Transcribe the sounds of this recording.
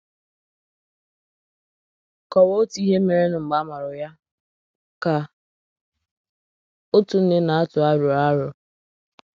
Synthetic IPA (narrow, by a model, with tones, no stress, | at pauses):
kɔ˨wo˦ti˦ɦe˦me˨ɾe˦nʊ˨ŋ͡m̩˨ɡ͡ba˦ma˨ɾʊ˨ja˦ | ka˨ | o˦tu˨n̩˦ne˦na˨a˦tʊ˨a˦ɾʊ˨a˦ɾʊ˨